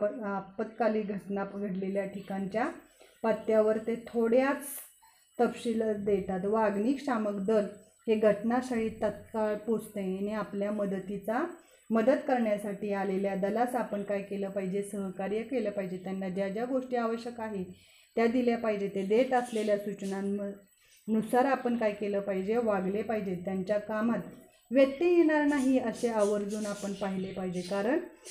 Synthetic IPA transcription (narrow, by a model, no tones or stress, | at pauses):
əapət̪kaliːɡʱəʈnapəɡəʈleljaʈʰikaɲt͡ɕja | pat̪jaʋəɾt̪et̪ʰoɽjat͡s | t̪əpɕiləd̪et̪at̪ʋaɡniːkɕaməkd̪əl | ɦeɡʱəʈnasaɽiːt̪ət̪̚kaɭpot͡sʰt̪eeneapljaməd̪ət̪it͡sa | məd̪ət̪kəɾɳjasaʈiːaleljad̪əlasapəɳkajkeləːpaɦid͡ʑesəɦkaɾjəkeləːpaɦid͡ʑet̪janːad͡ʑad͡ʑjaɡoʂʈiːaʋəɕjəkaɦe | t̪jad̪iljapaɦid͡ʑet̪ed̪et̪əsleljasut͡ɕɳaə | nusaɾapəɳkajkeləːpaɦid͡ʑeʋaɡlepaɦid͡ʑet̪jaɲt͡ɕjakamat̪ | ʋjək̚t̪ijeɽ̃aɾnaɦiəseaʋəɾd͡zuːnapəɳpaɦilepaɦid͡ʑekaɾəɳ